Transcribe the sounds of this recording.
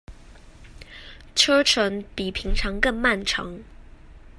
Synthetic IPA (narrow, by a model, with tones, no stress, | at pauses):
ʈ͡ʂʰɤ˥ʈ͡ʂʰə˧˥npi˨˩pʰi˧˥ŋʈ͡ʂʰɑ˧˥ŋkɤ˥˧ŋma˥˩nʈ͡ʂʰɤ̰˧˥ŋ